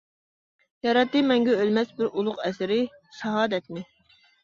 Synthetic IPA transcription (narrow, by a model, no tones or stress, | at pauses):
jɑɾɑt̪ːɨmɛŋɡʲɛølmɛsbɪɾulˠʊqɛsɪɾɪ | ʃɛɦɑːd̪ɛt̪̚mɪ